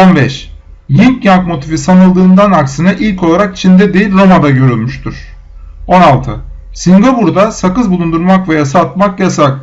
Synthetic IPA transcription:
o̞nbɛʃ | jimcjaŋkmo̞t̪ʰifisanɯlˠd̪ɯːnd̪anaksɯnaʔilʲcʰo̞lˠaɾakt͡ʃʰind̪ɛd̪ejilʲɾo̞mad̪aɟø̞ɾylʲmyʃt̪ʰyɾ̥ | o̞nalˠt̪ʰɯ | siŋɡapuɾd̪asakɯzbulˠund̪uɾmakvejasaːt̪̚makjasak̪

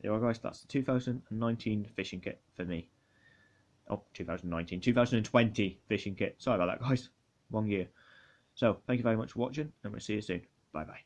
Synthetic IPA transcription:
jɛ̰wəlɡaɪz̥ða̰tsðə̥tʰʉːθaʊzə̃ndə̃nnːãɪ̃ntʰĩːnfɪʃɪ̃ŋkʰɪ̰ʔfəmi | ʔə̰ʊtʰʉːθaʊz̃ndə̃nãɪ̃ntʰĩntʰʉːθaʊzəndə̃ntʰw̥ɛ̃ntʰifɪʃɪ̃ŋkʰɪʔsəoʊaɪbaʊðə̰ʔɡ̥aɪz̥ | wʌ̃njɪə | soʊθæ̃kjuvɛɹimʌt͡ʃfəwɒt͡ʃɪ̃ŋə̃nwɪ̰lˠsiːjəsʉ̃ːn | b̥aɪbaɪ

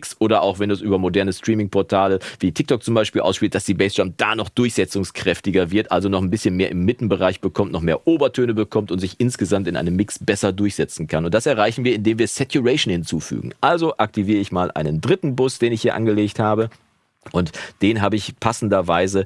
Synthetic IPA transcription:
ksʔoːɾɐʔaʊxv̥ɛnɛsʔyːbɐmodɛɐnəstʁ̥iːmɪŋpʰɔɐtʰaːləviːtʰɪk̚tʰɔk̚t͡sʊmbaɪʃpiːlʔa̰ʊsʃpiːlt̚d̥asd̥iːbɛɪsd̥amd̥aːnɔχd̥ʊɐçz̥ɛt͡sʊŋskʁ̥ɛftɪɡɐvɪɐtʔalzonɔχnbɪsçənmeːɐʔɪmːɪtn̩bəʁaɪçb̥əkʰɔmtnɔχmeːɐʔoːbɐtʰøːnəbəkʰɔmtʊntz̥ɪçɪnsɡ̥əzamtɪnʔa̰ɪnəmːɪksb̥ɛsɐdʊɐçz̥ɛt͡sn̩kʰanʊnt̚d̥asɛɐʁ̞aɪçn̩viːɐɪndeːmviːɐsɛtjuʁɛɪʃn̩hɪnt͡suːfy̰ːɡŋ̩ʔalzoʔak̚tʰiviːʁəɪçmaːlʔa̰ɪnəndʁɪtn̩bʊsd̥eːnɪçhiːɐʔa̰nɡəleːkthaːbə | ʔʊntd̥eːnɦaːbəɪçpʰasn̩dɐvaɪzə

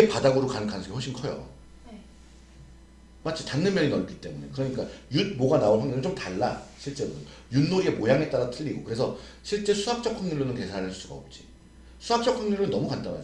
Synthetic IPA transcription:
epadaɡɯɾokanɯkʰanɯnsʰɡehoɭɕʰinkʰʌjo̰ | mat͡ɕʰitanːɯnmjʌɲinʌnk͈it͈e̞mune̞̰kɯɾʌɲik͈ajud̚moɡanaoɭɸaŋɲinɯnt͡ɕomtaɭːaɕʰiɭt͡ɕ͈e̞ɾo | junːoɾiemojaŋe̞t͈aɾatʰɯʎːiɡokɯɾe̞sʰʌɕʰiɭt͡ɕ͈e̞sʰuak̚t͡ɕ͈ʌk͈ʰaŋɲuɭːonɯnke̞sʰaɾɾɦɯɭsʰu̥s͈ʰuɡa̰o̰p̚t͡ɕ͈i | sʰuɦak̚t͡ɕ͈ʌkʰaŋɲuɭːonːʌmukandama̰

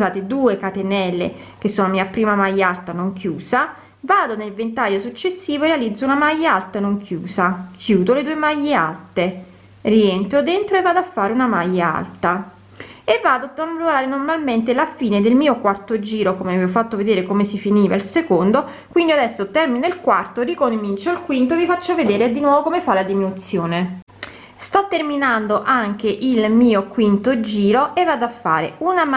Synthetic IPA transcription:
aːt̪ed̪uːekat̪enɛlːḛk̟esːoːnamiːapɾiːmamajːaalt̪anoŋkjuːsa | vaːd̪onelvent̪ajːosut͡ʃːesːiːvoerealid̪zːounamajːaalt̪anoŋkʰjṵːsakʰjuːd̪oled̪uːemajːea̰lt̪e | rient̪ɾod̪ent̪ɾoevːaːd̪oafːaːɾeunamajːaa̰lt̪a | evːaːd̪oat̪oloɾaːɾenormalment̪elafiːned̪elmiːokwart̪od͡ʒiːɾokomevɛofat̪ːoved̪eːɾekomesifiniːvailsekond̪o | kwind̪iad̪ɛsːot̪ɛrmineilkwart̪orikomint͡ʃoilkwint̪oevifat͡ʃːoved̪eːɾed̪inwɔːvokomefalad̪iminut̪sːjoːne | st̪ɔt̪ːerminand̪oʔaŋk̟eʔilmiːokwint̪od͡ʒiːɾoʔevːad̪afːa̰ːɾḛunam

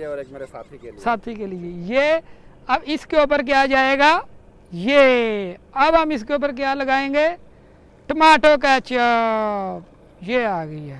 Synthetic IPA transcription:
eːkmːeaːt̪ʰiesaːt̪ʰiːkeːlɪeːjeː | əbɪskeoːp̬əɾk̬jaːd͡ʒaːeːɡaː | jeː | əbɦamɪs̬keoːp̬əɾk̬jaːləɡaːẽːŋɡeː | ʈəmaːʈoːket͡ʃa | jeːaːɡəiɛː

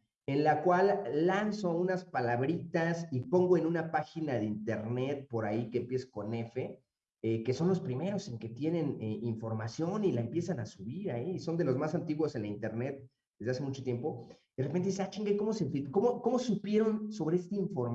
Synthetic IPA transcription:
e̞nlakwalːanso̞unaspalaβɾit̪asipo̞ŋɡo̞enũnapaxinaðeint̪e̞ɾne̞t̪̚po̞ɾaikeːmpje̞so̥ko̞ne̞fe̞ | eke̞so̞nlo̞spɾime̞ɾo̞seŋke̞t̪je̞ne̞neiɱfo̞ɾmasjo̞nilaempje̞sanasuβiɾaiso̞nd̪e̞lo̞zmasant̪iɣwo̞se̞nlaint̪e̞ɾne̞t̪̚ | d̪̥e̞zðeas̬e̞mut͡ʃo̞t̪je̞mpo̞ | ðerepent̪eiseat͡ʃiŋɡako̞mo̞sefiko̞mo̞ko̞mo̞supje̞ɾo̞nso̞βeest̪aiɱfo̞ɾm

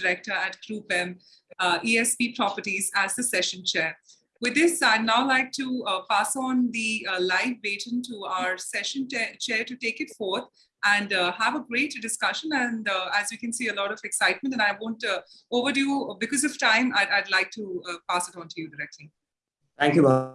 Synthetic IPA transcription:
ɪɾɛk̚ʈəɾæʈkɾuːpɛ̃m | ʔiːɛspiːpɾɔpəʈizæzd̪əsɛʃə̃nt͡ʃɛːɾ | ʋɪd̪ɪsaɪdnaʊlaɪk̚ʈupaːsɔ̃nd̪ilaɪfbeːʈɪ̃nʈuaʊəɾsɛʃə̃ntet͡ʃɛːɾʈuʈeːkɪʈfɔːɾt̪ʰ | æ̃ɳhæʋəɡɾeːʈɖɪskʌʃə̃næ̃nɖæzwikɛ̃nsiːəlɔɾɔʋɛksaɪʈ̚mə̃nɛ̃naɪʋõːnʈoːʋədubɪkɔzɔfʈãɪ̃maɪaɪdlaɪk̚ʈupasɪʈɔ̃ntʰujuɖɪɾɛk̚ʈʰli | t̪ʰæ̃ŋkjuma

